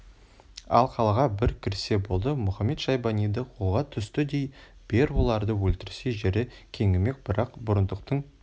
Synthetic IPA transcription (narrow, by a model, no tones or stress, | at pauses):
ɑ̰lˠqʰɑlˠɑʁɑbɪɾkʲʰɪɾse̞bo̞lˠd̪əmʊχɑme̞t̪ʃɑjbɑnijd̪əwʰolˠʁɑt̪ʰʏst̪ɪd̪e̞j | b̥e̞ɾbo̞lˠɑɾd̪əwɵlt̪ɪɾse̞ʒeɾɪkʲʰe̞ŋʲɪme̞k̚bɪɾɑqbʊɾənd̪əq̚t̪əɴ